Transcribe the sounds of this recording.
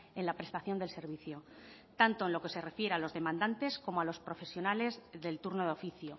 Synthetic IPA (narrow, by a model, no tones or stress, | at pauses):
enlapɾe̞st̪aθjo̞nd̪else̞ɾβ̞iθjo̞ | t̪ant̪o̞enlo̞ke̞se̞re̞fje̞ɾealo̞zðe̞mãnd̪ant̪e̞sko̞moalo̞spɾo̞fe̞sjo̞nale̞zðe̞lt̪uɾnoðo̞fiθjo̞